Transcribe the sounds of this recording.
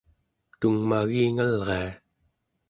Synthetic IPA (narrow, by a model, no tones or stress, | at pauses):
t̪uŋmaɣiːŋalʁea